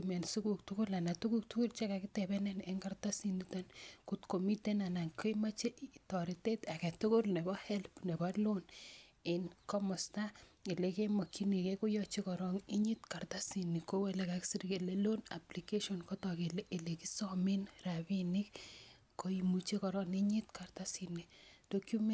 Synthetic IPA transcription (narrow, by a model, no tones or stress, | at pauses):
imɛnsukuk̚tukʊlanatukuk̚tukurt͡ʃekakitɛbɛnɛneŋkartasinitankutkomitenanaŋkoimat͡ʃetɔɾitetaketukʊrnebɔhɛlpnebɔlonɪnkɔmɔstailekemɔkinikekujɔt͡ʃekɔɾɔŋiɲitkartasinikowɛlekaksiɾkelelona̰plikeʃɔnkɔtɔkeleʔelekisɔminrabinik | koimut͡ʃekɔɾɔniɲitkartasinid̥okjume